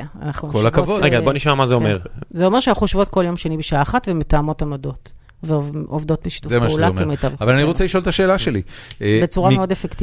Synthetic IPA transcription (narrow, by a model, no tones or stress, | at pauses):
a̰naχnukolakavodɡad̪boniʃmamazeomeʁzeo̞meʃeaχuʃvo̞tko̞ljo̞mʃenibeʃaaːχatvemetaːmo̞tamodo̞t | veovdo̞tbiʃi̥t̪uzemaʃulamimejtavavalaniʁot͡seliʃo̞lt̪aʃe̞ːlaʃelibet͡suʁameo̞defekt̪i